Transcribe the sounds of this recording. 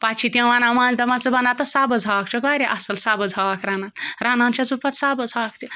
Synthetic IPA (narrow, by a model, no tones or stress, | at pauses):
patt͡ʃʰit̪ʲẽʋaːnãmãːnzd̪ɐmãnt͡sɨbɐnat̪ɐsaːbɐd͡zʱaːk̚t͡ʃokbaɾʲiʔɐsɐlsaːbɐd͡zʱaʋakɾaːnaːnɾaːnãːnt͡ʃʰɐsupɐt̪saːbɐd͡zʱak̚t̪ʲi